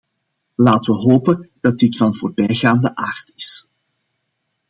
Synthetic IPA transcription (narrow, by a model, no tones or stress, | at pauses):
laːtəʋəɦoːpənd̥ɑt̚dɪtfɑnvoːrbɛjɣaːndəʔaːrtɪs